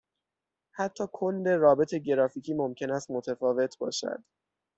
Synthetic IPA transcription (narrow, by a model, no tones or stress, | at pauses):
hæt̪ʰːɒːkʰond̪e̞ɾɒːbe̞t̪ʰe̞ɟe̞ɾɒːficʰiːmomcʰe̞næst̪mo̞t̪ʰefɒːve̞t̪ʰbɒ̰ːʃæ̰d̪̥